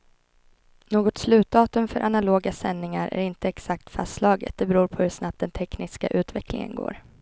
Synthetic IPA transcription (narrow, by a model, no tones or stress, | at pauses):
noːɡɔt̪slʉ̟ːt̪ɑːt̪ɵmfœɾʔanaloːɡasɛnːɪŋaɾʔæ̰ɾɪnt̪əɛksak̚t̪faslɑːɡə̰t̪̚d̪ɛbɾuːɾpʰɔhɵʂnap̚td̪ɛnt̪ʰɛknɪska̰ʔʉ̟ːt̪vɛklɪ̰ŋə̰nɡo̰ːɾ